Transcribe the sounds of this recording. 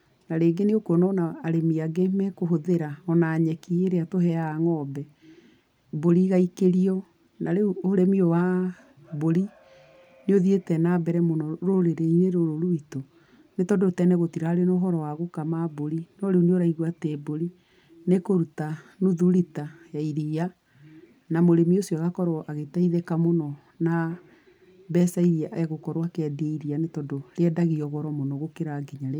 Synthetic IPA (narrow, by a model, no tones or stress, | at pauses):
naɾeːɡeneokwɔnɔnaːɾemiaɡemɛkoɦoðeɾaɔnaːɲɛkieɾeatoɦɛaŋɔːbɛ | boɾiɣaikeɾiɔ | naɾeuoɾemiɔwa | boɾi | neoðietɛnabɛɾɛmonɔɾoɾeɾeineɾoɾoɾuito | netɔdotɛnɛɣotiɾaɾenoɦɔɾɔwaɣokamaboɾinɔɾeoneoɾaiɣwateboɾi | nekoɾutanuðuɾitajaiɾia | namoɾemiosjɔaɣakɔɾɔʔaɣetaiðɛkamonɔ | na | bɛsaiɾiaʔɛɣokɔɾwakɛdieiɾianetɔdoɾeɛdaɣiɔɣɔɾɔmonɔɣokeɾaɡiɲaɾe